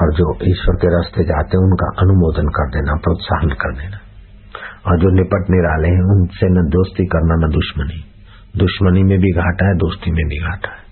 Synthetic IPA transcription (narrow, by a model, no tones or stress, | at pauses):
ɔːɾd͡ʒoːʔiːʃwəɾkeɾɐst̪ed͡ʒaːt̪eɦɛ̃ʊnka̰ʔɐnʊmoːd̪ənkɐɾd̪eːnapɾoːt̪sa̰ːɦənkɐɾd̪eːna | ɔːɾd͡ʒoːnɪpəʈneɾaːleɦɛ̃ʊnsenɐd̪oːst̪ikɐɾnanɐd̪ʊʃməni | d̪ʊʃmənimẽbʱiɡʱaːʈaɦɛd̪oːst̪imẽbʱiɡʱaːʈḁɦɛː